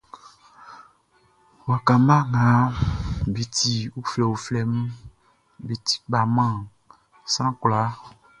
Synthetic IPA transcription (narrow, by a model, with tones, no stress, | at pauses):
wa˨ka˨mã˦ŋã˨˦ | bi˨ti˨u˦fɛ˨wu˨flɛ˨m̩˦ | bi˨ti̥˦ba˨mã˦˨ | sã˦kla˨˦